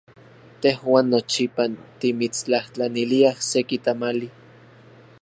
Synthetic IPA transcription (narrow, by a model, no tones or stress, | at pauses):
t̪ehwaːnːot͡ʃipant̪imit͡st͡ɬaht͡ɬaniliahsekit̪amali